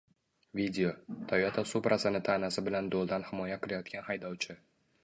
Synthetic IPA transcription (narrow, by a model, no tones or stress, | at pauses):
vid̪ʲe̞ot̪ʰajat̪ʰasupɾʔasɪnɪt̪ʰanasɪbɪland̪olˠd̪anhɪmɒjaqɪɾajɒt̪̚kʲanhajd̪ɒwt͡ʃʰɪ